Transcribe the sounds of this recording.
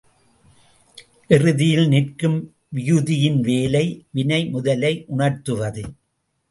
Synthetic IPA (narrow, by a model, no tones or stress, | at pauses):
ʔɪrɯðɪjɪlnɪrkɯm | ʋɪjʊðɪjɪnʋeːlɐɪʋɪnɐɪmʊðɐlɐɪʔʊɳɐrt̪ɯʋɐðɯ